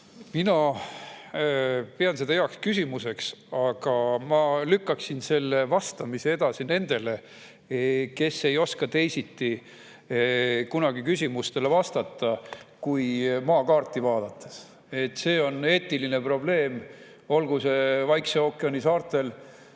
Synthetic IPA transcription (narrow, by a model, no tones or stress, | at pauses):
minɑ | peɑnsed̪ɑjeɑkskysʲimuse̞ksɑɡ̥ɑmɑlykːɑksinse̞lːe̞vɑst̪ɑmisee̞d̪̥ɑsine̞nd̪̥e̞le̞ | ke̞sːe̞jo̞skɑt̪ejsit̪ːˑi | kunɑɡ̥ikysʲimust̪e̞le̞vɑst̪ɑt̪ˑːɑkujmɑːkɑːrt̪ˑːivɑːd̪̥ɑt̪ˑːes | e̞t̪ːˑse̞ːo̞ne̞ːt̪ːiline̞pro̞ble̞ːm | o̞lɡuse̞vɑjkseokːˑeɑnisɑːrt̪ˑe̞l